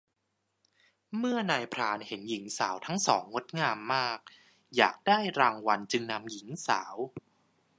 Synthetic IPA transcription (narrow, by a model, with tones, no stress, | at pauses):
mɯ˥˩ɐnaː˧jpʰɾaː˧nhe˩˦nji˩˦ŋsa̰ː˩˦wt̪ʰa˦˥ŋsɔː˩˦ŋːo˦˥t̪̚ŋaː˧mːaː˥˩k̚ | jaː˨˩k̚daː˥˩jɾaː˧ŋwa˧nt͡ɕɯ˧ŋna˧mji˩˦ŋsa̰ː˩˦w